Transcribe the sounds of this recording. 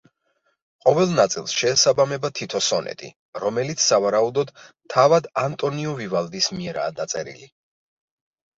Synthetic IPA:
qʼɔvɛlˠnat̪sʼilˠsʃɛːsabamɛbat̪ʰit̪ʰɔsɔnɛ̰t̪ʼḭ | ɾɔmɛlit̪sʰsːavaɾaud̪ɔd̪ | t̪ʰːavad̪ant̪ʼɔniɔvivalˠd̪ismiɛɾa̰ːd̪at̪sʼɛ̰ɾḭli

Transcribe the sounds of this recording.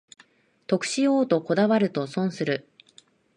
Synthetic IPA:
t̪o̞kɯ̥ɕioːt̪o̞ko̞d̪aβaɾɯ̟t̪o̞sõ̞ɰ̃sɨɾɯ̟

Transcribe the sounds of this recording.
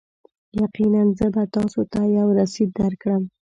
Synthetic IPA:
jaqinanzəbat̪ɑsot̪ajawɾasid̪̚aɾkɽəm

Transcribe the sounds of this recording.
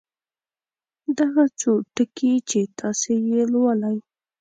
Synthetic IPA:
d̪aɣat͡soʈəkʰit͡ʃet̪ʰɑsejelwalaj

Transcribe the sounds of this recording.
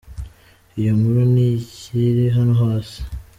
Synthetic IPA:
ijomuɾoniciɾeɦanoɦaːsi̥

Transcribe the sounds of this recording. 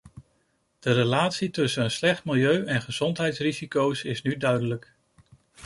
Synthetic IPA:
d̥əɾelaːtsitɵsənənslɛχtmɪlˠjøɥɛnχəz̥ɔntɦɛjtsrizikowsɪsnydœɥdələk

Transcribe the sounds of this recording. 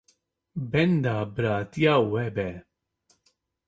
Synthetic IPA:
bɛnd̪abɾat̪jawɛbɛ

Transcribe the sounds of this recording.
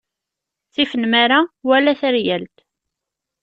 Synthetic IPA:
t͡sːifənmaɾawælæθəɾjælt̪

